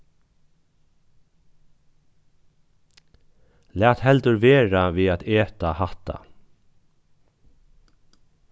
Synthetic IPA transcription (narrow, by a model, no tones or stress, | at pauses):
læːt̪hɛlt̪əɾʋeːɹaʋiːðaːt̪eːt̪ahaht̪a̰